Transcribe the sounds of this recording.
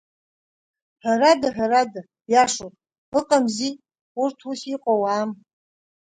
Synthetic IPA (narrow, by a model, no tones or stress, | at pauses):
ħaɾadaħaɾada | jaʂopʼ | ɨqʼamzi | urtʰusiqʼowam